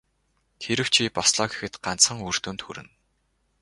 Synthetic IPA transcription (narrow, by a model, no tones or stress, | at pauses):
t̪ʰeɾɘ̆w̥t͡ɕʰipɔsɮɔːɡe̥xɘ̆t̪ɢan̥t͡sχə̆ŋur̥t̪uːnt̪xṵɾɘ̆n